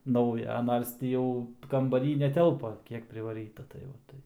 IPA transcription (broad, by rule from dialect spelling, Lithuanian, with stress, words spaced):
ˈnɐʊjɛ ˈnɐrs tʲiː ˈjɛʊ kɐmbɐˈrʲiː nʲɛˈtʲɛlˠpɐ ˈkʲiɛk pʲrʲɪʋɐˈrʲiːtɐ tɐɪ ʋɐ ˈtɐɪp